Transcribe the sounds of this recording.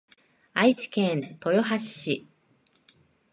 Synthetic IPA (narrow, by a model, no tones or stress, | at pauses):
ait͡ɕi̥kẽnt̪o̞joɦaɕɕi